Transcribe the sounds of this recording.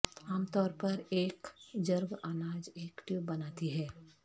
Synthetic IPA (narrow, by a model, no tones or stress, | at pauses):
aːmt̪ɔːɾpɐɾeːkd͡ʒɐɾɡʔanaːd͡ʒeːkʈɪʋbɐnaːt̪iɦɛː